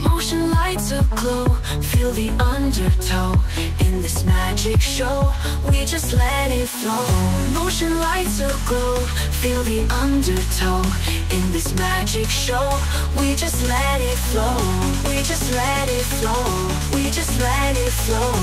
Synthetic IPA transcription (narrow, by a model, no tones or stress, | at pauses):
moʊʃɨ̃nlaɪtsʌv̥kʰl̥oʊ | filˠðiʔʌ̃ndə˞tʰoʊ | ɪ̃nðɪsmæd͡ʒɪkʃoʊ | wid͡ʒʌstˡlɛɾɪtfloʊ | moʊʃɨ̃nlaɪtsʌv̥kʰl̥oʊ | filˠðiʔʌ̃ndə˞tʰoʊ | ɨ̃nðɪsmæd͡ʒɪkʃoʊ | wid͡ʒʌstˡlɛɾɪtfloʊ | wid͡ʒʌstˡlɛ | ɾɪtfloʊ | wid͡ʒʌstˡlɛ | ɾɪtfloʊ